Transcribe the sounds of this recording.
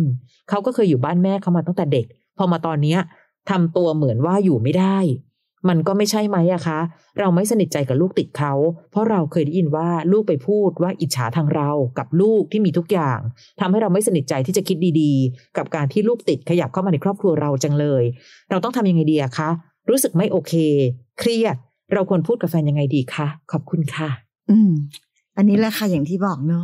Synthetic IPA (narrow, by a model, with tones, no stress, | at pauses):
kʰa˦˥wkɔː˥˩kʰɤː˧jːuː˨˩baː˥˩nmɛː˥˩kʰa˥˩wmaː˧t̪ɔ˥˩ŋt̪ɛː˨˩de˨˩k̚ | pʰɔ˧maː˧t̪ɔː˧nːi˦˥ɐ | t̪ʰa˧mt̪u˧ɐmɯ˩˦ənwaː˥˩juː˨˩ma˥˩jdaː˥˩j | ma˧nkɔː˥˩ma˥˩jt͡ɕʰa˥˩jma˦˥jʔa˨˩kʰa˦˥ | ɾa˧wma˥˩jsa˧ni˨˩t̪̚t͡ɕa˧jka˨˩luː˥˩k̚t̪i˨˩t̪̚kʰa˦˥wpʰɔ˦˥ɾa˧wkʰɤː˧jdɛː˦˥ji˧nwaː˥˩luː˥˩k̚pa˧jpʰuː˥˩t̪̚waː˥˩ʔi˨˩t͡ɕʰaː˩˦t̪ʰaː˧ŋɾa˧wka˨˩p̚luː˥˩k̚t̪ʰiː˥˩miː˧t̪ʰu˦˥k̚jaː˨˩ŋ | t̪ʰa˧mha˥˩jɾa˧wma˥˩jsa˧ni˨˩t̪̚t͡ɕa˧jt̪ʰiː˥˩t͡ɕa˨˩kʰi˦˥t̪̚diː˧diː˧ka˨˩p̚kaː˧nt̪ʰiː˥˩luː˥˩k̚t̪i˨˩t̪̚kʰa˧ja˨˩p̚kʰa˥˩wmaː˧n˧jkʰɾɔː˥˩kʰɾu˧ɐɾa˧wt͡ɕa˧ŋlɤː˧j | ɾa˧wt̪ɔ˥˩ŋt̪ʰa˧mja˧ŋa˧jdiː˧ʔa˨˩kʰa˦˥ | ɾuː˦˥sɯ˨˩k̚ma˥˩jʔoː˧kʰeː˧kʰɾi˥˩ət̪̚ | ɾa˧wkʰu˧ənpʰuː˥˩t̪̚ka˧fɛː˧nja˧ŋːa˧jdiː˧kʰa˦˥kʰɔ˨˩p̚kʰu˧nkʰa˥˩ | ʔɯː˨˩˧m | ʔa˧nːiː˦˥lɛ˧˩kʰa˥˩ja˨˩ŋt̪ʰiː˥˩bɔː˨˩k̚nɔ˦˥